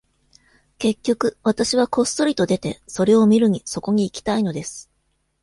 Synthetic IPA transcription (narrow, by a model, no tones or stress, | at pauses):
ke̞kʲːo̞kɯ̟βat̪aɕiβ̞ako̞st̪o̞ɾʲit̪o̞d̪e̞t̪e̞so̞ɾe̞o̞mʲiɾɯ̟ɲ̟iso̞ko̞ɲ̟iːkʲi̥t̪aino̞d̪e̞sɨ̥